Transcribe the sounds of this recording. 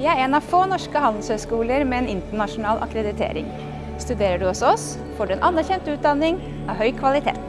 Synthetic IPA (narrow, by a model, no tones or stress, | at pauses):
ʋɪːæɾɛnɑʋfoːnɔʂkəhɑnd̪l̩shœʏskuːləɾmɛɛnɪnt̪əɳɑʂʊnɑːlʔɑ̰kɾɛd̪ɪt̪ʰḛːɾɪ̰ŋ | st̪ʉd̪eːɾəɖʉɔsɔɔs | foːɖʉɛnʔɑnːæɾçɛnt̪ʉːt̪̚d̪ɑnːɪŋ | ɑʋɦœʏkʰʋɑlɪt̪ʰḛːt̪